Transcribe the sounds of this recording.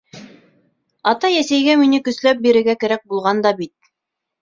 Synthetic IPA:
ɑt̪ɑjæsæjɡæminɘkɵ̆slæp̚biɾɘ̆ɾɡækæɾæk̚bulˠʁɑnd̪ɑbit̪̚

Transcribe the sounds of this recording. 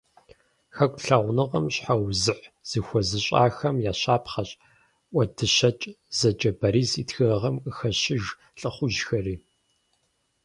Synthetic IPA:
xɐkʷʼɬɐʁʷnɨʁɐmɕħawzɨħz̥ɨxʷɔzɨɕʼa̰ːxɐmjaːɕaːpχɐɕʼ | ʔʷɐdʰɨɕɐt͡ʃʼ | z̥ɐd͡ʒʼɐbɐɾiːzitxɨrɐʁɐmkʼəxɐɕɪʒ | ɬʼɨχʷʊʒxɐriː

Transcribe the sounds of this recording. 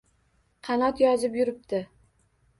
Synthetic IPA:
qʰɑnɒt̪jɒzɪpjʊɾɪp̚t̪ʰɪ

